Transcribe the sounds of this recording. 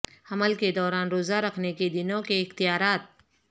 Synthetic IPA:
ɐməlked̪ɔːɾaːnɾoːzaɾɐkʰneked̪ɪnõkeɪxt̪ijaːɾaːt̪̚

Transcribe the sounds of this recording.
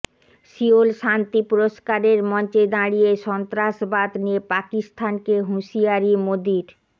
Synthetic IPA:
ʃiolʃant̪ipuɾoʃkaɾeɾmɔnt͡ɕed̪aɽieʃɔnt̪ɾaʃbad̪niepakist̪ʰankeɦũʃijaɾimod̪iɾ

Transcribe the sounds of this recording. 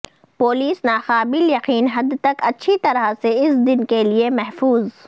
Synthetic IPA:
poːliːsnaːxaːbɪljɐqiːnɦɐd̪t̪ɐkɐtːʃʰit̪ɐɾaseɪsd̪ɪnkeliemɛɦfuːz

